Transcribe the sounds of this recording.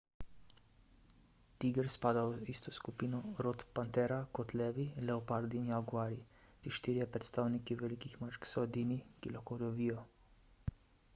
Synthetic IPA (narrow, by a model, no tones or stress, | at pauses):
t̪iɡəɾspaːd̪awist̪ɔskupiːnɔɾot̪pant̪ɛɾakɔt̪lɛːʋilɛopaɾd̪injaɡuaɾi | t̪iʃt̪iːɾijɛpɾɛt̪st̪aːwnikiʋɛlikixmat͡ʃksɔɛd̪inikilaxkolɔʋiːjɔ